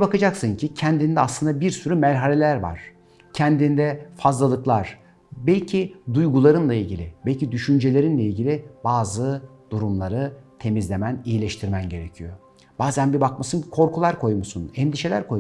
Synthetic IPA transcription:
bakad͡ʒaksɯncʰicʰɛnd̪ind̪ɛaslˠɯnd̪abiɾsyɾymæɾɦalʲelʲæɾva̰ɾ̥ | cʰɛnd̪ind̪ɛfazlˠalˠɯklˠaɾ̥ | bɛlʲcʰid̪ujɡulˠaɾɯnlˠailʲɟilʲɪbɛlʲcid̪yʃynd͡ʒe̞lʲe̞ɾinlʲeilʲɟilʲibaːzɯd̪uɾumlˠaɾɯt̪ʰe̞mizlʲe̞mænijilʲeʃt̪ʰiɾmænɟe̞ɾecʰijo̞ | b̥aːzænbibakmasɯnkʰo̞ɾkulˠaɾkʰo̞jmusunɛnd̪iʃe̞lʲæ̰ɾkʰoj

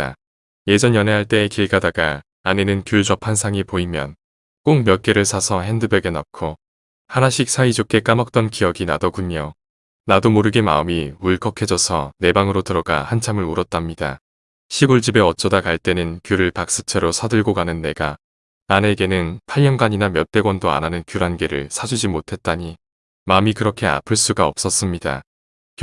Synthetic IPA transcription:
a | je̞d͡ʑʌnjʌnɦeɦaɭt͈e̞ːkiɭɡadaɡaː | nenɯnkjuɭt͡ɕʌpʰans̬ʰaŋipoimjʌ̰n | k͈oŋmjʌk͈e̞ɾɯɭsʰasʰʌɦe̞ndɯbeɡe̞nʌkʰo | hanaɕʰik̚s͈ʰaid͡ʑok͈ʰe̞k͈amʌk̚t͈ʌnkijʌɡina̰dʌɡuɲʌ | nadomoɾɯɡema̰ɯmiuɭk͈ʰʌkʰe̞d͡ʑʌsʰʌ̰ne̞baŋɯɾotɯɾʌɡa̰hant͡ɕʰamɯɭuɾʌt̚t͈amɲida̰ | ɕʰiɡuɭd͡ʑibe̞ʌt͡ɕ͈ʌdakaɭt͈e̞nɯnkjuɾɯɭpak̚s͈ɯ̥t͡ɕʰe̞ɾosʰadɯɭɡoɡanɯnːe̞ɡa | ane̞ɡe̞nɯnpʰaʎːjʌŋɡaɲinamjʌt͈e̞ɡwʌndoa̰nanɯnkjuɾanɡeɾɯ̰ɭsʰad͡ʑud͡ʑimotʰe̞t̚t͈aɲi | maɯmikɯɾʌkʰe̞a̰pʰɯɭs͈uɡaʌp̚s͈ʌs͈ɯmɲida̰

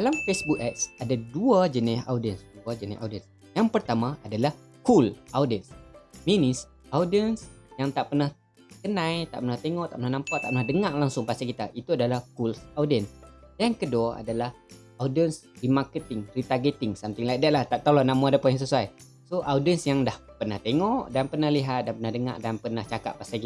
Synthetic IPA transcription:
dalamfesbuk̚ɛt̪̚sadaduad͡ʒənɪsa̰wdiənsduad͡ʒənɪ̰ʔa̰wdəns | jaŋpərt̪amãʔadalah | kulʔawdənsminis | awdiəns | jaŋt̪aʔpərnah | kənãjt̪aʔpərnaht̪eŋɔʔt̪a̰ʔpənahnampaʔt̪aʔpənahdəŋaʔlaŋsʊŋpast̪akit̪aʔit̪uadalahkulsawdən | dankəduaʔa̰dalah | awdiənsrimakət̪ɪŋrit̪arɡet̪ɪŋsamt̪ɪŋlaʔdaʔlaht̪aʔt̪olɔnamaadapajaŋs̬əsuaj | soʔawdiənsjaŋdahpərnaht̪eŋɔʔdanpərnahliɦat̪̚danpənahdəŋa̰ʔdanpərnaht͡ʃaka̰ʔ̚pasaki

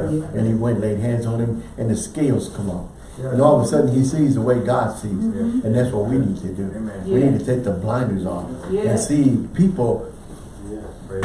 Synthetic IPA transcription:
ɨ̃niwɛ̃nʔleɪd̚ɦæ̃ndzn̩ɨ̃mɨ̃nðɨskeɪlˠz̥kʰʌ̃maʊp | ɨ̃nɔlˠəðəsʌdⁿn̩isizðəweɪɡɑd̥siz̥ɨ̃nðætswʌt̚winid̚tʰɨdʉwinid̚tʰɨtʰeɪk̚ðəblãɪ̃ndə˞zn̩ɨ̃nsipʰipl̩ˠ

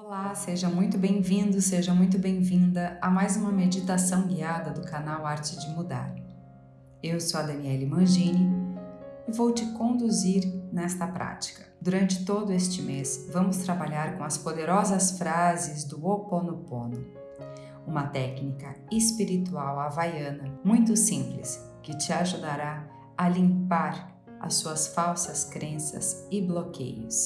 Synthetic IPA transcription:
olaseʒɐmũj̃t̪ʊbẽj̃vĩnd̪ʊseʒɐmũj̃t̪ʊbẽj̃vĩnd̪ɐamajzũmɐmed͡ʒit̪asɐ̃w̃ɡiad̪ɐd̪ʊkanawaɾt͡ʃɪd͡ʒɪmud̪a̰ɾ | ewsoɐd̪ɐ̃niɛlimɐ̃ʒĩnɪ | ɪvowt͡ʃɪkõnd̪uziɾnɛst̪ɐpɾa̰t͡ʃi̥kɐ̥d̪uɾɐ̃nt͡ʃɪ̥t̪od̪ʊest͡ʃɪmesvɐ̃mʊst̪ɾabaʎaɾkõɐspod̪eɾɔzɐsfɾazɪzd̪ʊoponopõ̰nʊ | ũmɐt̪ɛknikɐespiɾit̪uawavajɐ̃nɐmũj̃t̪ʊsĩmplɪ̰s | kɪt͡ʃɪaʒud̪aɾa | ɐlĩmpaɾ | ɐ̰suɐsfawsɐskɾẽsɐ̰zɪblokḛjʊ̰s

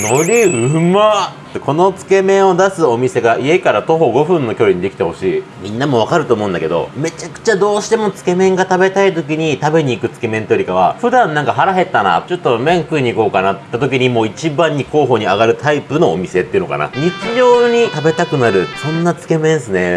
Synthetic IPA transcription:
no̞ɾʲiɯma | t̪ːekʰo̞no̞t͡sɨ̥ke̞mẽ̞ɰ̃o̞d̪asɨo̞mʲise̞ɡaie̞kaɾat̪o̞ɦo̞ɡo̞ɸɯ̟̃nːo̞kʲo̞ɾʲiɲ̟id̪e̞kʲi̥t̪e̞ho̞ɕiː | mʲĩnːamo̞β̞akaɾɯt̪o̞ːmoɯ̃nd̪a̰ked̪o̞̰me̞t͡ɕakɯ̟̥t͡ɕad̪o̞ːɕi̥t̪e̞mo̞t͡sɨ̥ke̞mẽ̞ŋɡat̪abe̞t̪ait̪o̞k̬ʲiɲ̟it̪abe̞ɲ̟iːkɯ̟t͡sɨ̥ke̞mẽnt̪ejoɾʲikaβ̞aɸɯ̟d̪ãnːãŋkaɦaɾaɦe̞t̪ːana̰t͡ɕo̞t̪ːo̞mẽ̞ŋkɯ̟iɲ̟iːko̞ːkanat̪ːat̪o̞kʲiɲ̟imoːit͡ɕibãɲ̟ːiko̞ːɦo̞ːɲ̟iaɡaɾɯ̟t̪ʰaipɯ̟no̞̰ːmʲise̞t̪ːeiɯ̟no̞ka̰na̰ɲ̟it͡ɕiʑo̞ːɲ̟it̪abe̞t̪akɯ̟naɾɯ̟sõ̞nːat͡sɨ̥ke̞mẽ̞ɰ̃sɨne̞

